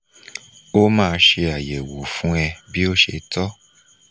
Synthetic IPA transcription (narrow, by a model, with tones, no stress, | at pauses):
o˦mãː˦˧ʃe˧a˨je˨wo˨fũ˦ɛ˧bi˦o˦ʃe˧tɔ˦